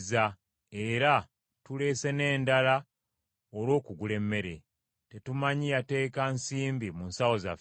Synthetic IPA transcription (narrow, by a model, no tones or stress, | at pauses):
za | e̞ɾa | tule̞se̞ne̞ːndala | oɾwo̞ːkuɡule̞mːe̞ɾe̞ | te̞tumaɲijate̞ːkansiːmbimunsawo̞za̰f